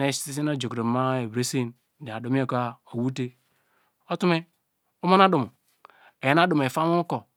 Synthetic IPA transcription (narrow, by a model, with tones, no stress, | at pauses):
e˦ssi˦s̬i˦no˦d͡ʒo˨kɾe˨ma˦e˨bɾe˦se˦˨n˨ | de˨a˨do˨˦mi˦o˦˨ka˦o˨wu˦te˦ | o˦tu˦me˦ | u˦ma˦na˦du˨m˨ | e˨je˦na˦du˨m˨e˨fa˦mu˦ko˨